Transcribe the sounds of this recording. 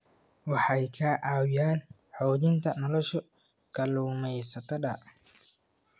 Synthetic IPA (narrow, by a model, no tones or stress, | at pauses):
wɑħɑjkʰɐʔɑwjaːn | ħɔːðɪnt̪ʰɐnɔlɔʃɔ | ɡ̥ʰɐluːmɛjsɐt̪ʰɐɗɐ